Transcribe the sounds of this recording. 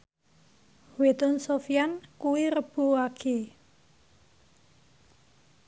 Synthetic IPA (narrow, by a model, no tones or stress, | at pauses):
wet̪ʊnsofijankuwiɾəb̥o̤akʰe